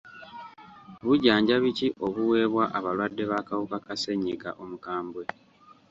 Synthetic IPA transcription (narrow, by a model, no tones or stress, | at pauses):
βuɟaːɲɟaβiciʔo̞βuwe̞ːβwaʔaβalwadːe̞βakawukakase̞ɲːiɡa̰ʔo̞mukaːmbwe̞